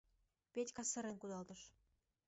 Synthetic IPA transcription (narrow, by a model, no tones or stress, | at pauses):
pʲetʲkɑsɤ̆ɾĕnkud̪ɑlˠt̪ɤ̆ʃ